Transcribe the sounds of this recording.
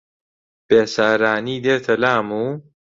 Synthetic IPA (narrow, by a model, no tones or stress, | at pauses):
b̥eːsaːɾaːniːd̪eːt̪ʰɐlaːmuː